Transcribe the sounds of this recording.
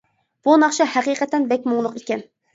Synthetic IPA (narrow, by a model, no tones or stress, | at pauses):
b̥unɑχʃɑhæqiqɛt̪ɛnbɛkʲmuŋlˠʊqekʲɛn